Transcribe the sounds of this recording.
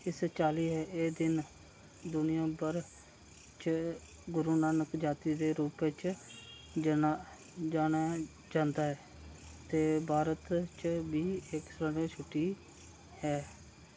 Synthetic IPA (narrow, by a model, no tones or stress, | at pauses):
ɪst͡ʃaːliːɦɛːeːd̪ɪn | d̪ʊnɪjãːbəɾ | t͡ʃ | ɡʊɾuːnaːnəkd͡ʒaːt̪iːd̪eːɾuːpet͡ʃ | a | d͡ʒaːnaː | d͡ʒãːnd̪aːɦɛː | t̪eːbʱaːɾət̪t͡ʃbiːeksɾəɾet͡ʃʰʊʈːiː | hɛː